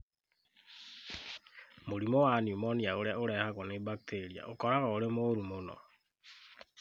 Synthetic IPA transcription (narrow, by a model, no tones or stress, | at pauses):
moɾimɔwaniumɔniaoɾeaoɾɛhaɣɔnebak̚tʰeɾia̰ʔokɔɾaɣaoɾemoːɾumonɔ̰